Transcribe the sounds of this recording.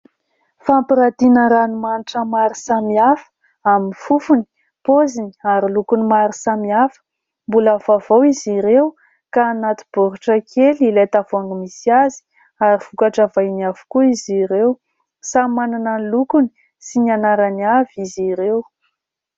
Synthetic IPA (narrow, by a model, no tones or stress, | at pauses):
fampiɾat̪inəɾanumaniʈ͡ʂəmaɾisamiafə̥ | aminifufuni̥ | pozini̥aɾilukunimaɾisamiafə̥ | mbulavavowiziɾew | kaːnat̪i̥b̥oɾuʈ͡ʂəkʰelilet̪av̥oaŋmisiazi̥ | aɾiv̥ukaʈ͡ʂavajniavu̥kuiziɾew | samananənlukuni̥ | sinianaɾaniaviziɾew